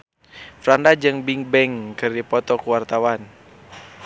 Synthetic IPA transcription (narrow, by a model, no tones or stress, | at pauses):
fɾandad͡ʒɨŋbiŋbɛŋkɨrdipɔt̪ɔkuwart̪awan